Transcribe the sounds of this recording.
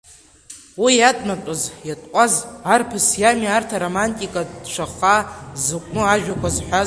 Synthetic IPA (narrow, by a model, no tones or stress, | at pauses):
wijatʼmat͡pʷʼʊzjatʼkʷʼazarpʰɨsjamiartʰaɾomantʼikʼadʃʷʰaχazɨkʷʼnɨaʒᶣakʷʰazħʷᶣaz